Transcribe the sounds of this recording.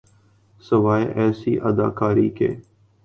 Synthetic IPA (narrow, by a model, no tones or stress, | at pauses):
səʋaːjʔɛːsiːʔəd̪a̰ːkaːɾiːkḛː